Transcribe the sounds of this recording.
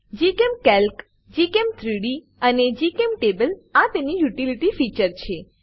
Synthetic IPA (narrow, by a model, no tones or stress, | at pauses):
d͡ʒikemkɛlk | d͡ʒikemt̪ʰɾiɽi | əned͡ʒikemʈebəlat̪enijuʈiliʈifit͡ʃəɾt͡ʃʰe